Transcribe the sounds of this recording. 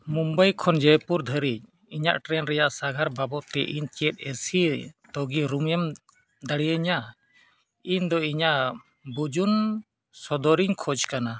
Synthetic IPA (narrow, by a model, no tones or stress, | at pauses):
mumbajkʰɔnd͡ʒəjpuɾd̪ʱəɾic̚ | iɲa̰ʔʈɾɛnɾɛjaʔsaɡʱaɾbabɔt̪ɛʔiɲt͡ʃɛt̪̚ˀɛsit̪ɔɡiɾumɛm | d̪aɽijəɲa | ind̪ɔiɲaʔ | bud͡ʒun | sɔd̪ɔɾiɲkʰɔd͡ʒkana